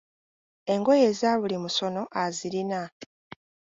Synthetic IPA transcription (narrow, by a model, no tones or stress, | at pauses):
e̞ŋɡo̞jeːzaβulimuso̞no̞ʔaziɾina